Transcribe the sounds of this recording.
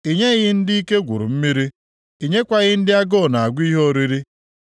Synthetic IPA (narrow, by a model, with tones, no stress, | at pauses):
i˨ɲe˦ɣɪ˦n̩˦di˦i˦ke˦ɡʷʊ̰˨ɾʊ̰˨m̩˦mi˦ɾi˦ | i˨ɲe˦kʷa˦ɣɪ˦n̩˦dɪ˦a˦ɡɔ˦˨na˨a˨ɡʷi˦ɦo˦ɾi˦ɾi˦